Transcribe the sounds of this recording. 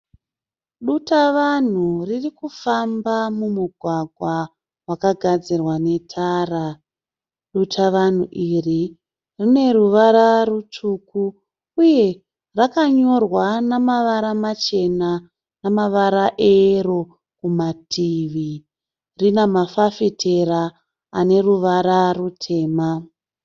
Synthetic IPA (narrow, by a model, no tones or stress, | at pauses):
ɗutaʋan̤uririkufambamumuɡʱwaɡʱwa | wakaɡʱad͡zirwane̞tʰaːra | ɗutʰaʋan̤ṵʔiri | rine̞ɾuʋaɾarutuku | uje̞ | rakaɲo̞rwanamaʋaɾamat͡ʃe̞na | namaʋaɾaʔero | kumatʰiʋi | rinamafafitʰeɾa | ane̞ruʋaɾarutʰe̞ːma